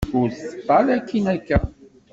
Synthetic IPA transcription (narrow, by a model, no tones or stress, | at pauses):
ʊɾθə̥t̪ˤːɑlækːinækːæ